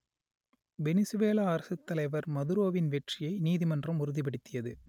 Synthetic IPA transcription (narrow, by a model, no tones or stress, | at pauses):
bɛnɪsɯʋeːlaːɾɐsɯt̪ːɐlɐɪʋɐɾmɐðɯɾoːʋɪnʋɛʈrɪjɐɪniːðimɐndrɐmʊɾɯðɪp̬ɐɽɪt̪ːɪjɐðɯ